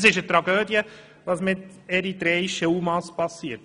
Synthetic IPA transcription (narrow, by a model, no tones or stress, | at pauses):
sɪʃətɾɑɡøːd̪jə | ʋɑːsmɪt̪ | ɛɾit̪ɾɛːiʃəumɑspɑsːiət